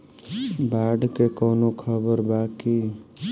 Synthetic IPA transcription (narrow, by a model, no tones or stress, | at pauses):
baːɖkekɔːnokʰəbəɾbaːki